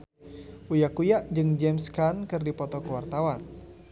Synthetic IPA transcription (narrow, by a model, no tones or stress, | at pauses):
ʔujakujaʔd͡ʒɨŋd͡ʒɛmskankɨrdipɔt̪ɔkuwart̪awan